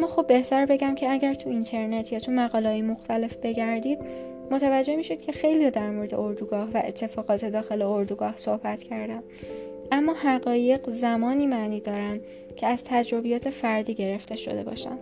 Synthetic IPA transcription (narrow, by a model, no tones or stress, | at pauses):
mːɒːxobːe̞ht̪æɾbe̞ɟæmcʰeæɟæɾt̪ʰuint̪ʰe̞ɾnet̪ʰjɒːt̪ʰumæɣɒːleɒːjemo̞xt̪ʰæle̞fb̥e̞ɟæɾd̪iːd̪̥̚ | mot̪ʰævæd͡ʒːe̞hmiːʃod̪̥̚cʰe̞xe̞jlijɒːd̪æɾmoɾe̞d̪ḛo̞ɾd̪uɡɒːhvæʔet̪ʰːe̞fɒːɣɒːt̪ʰe̞d̪ɒːxe̞leoɾd̪uɡɒːhso̞hbæt̪cʰæɾd̪æm | ʔæmːɒːhæɣɒːje̞ɡzæmɒːniːmæːniːd̪ɒːɾænd̪ | cʰe̞æz̥t̪ʰæd͡ʒɾo̞bijɒːt̪ʰe̞fæɾd̪iːɟe̞ɾe̞ft̪e̞ʃo̞̰d̪e̞̰bɒ̰ːʃæ̰n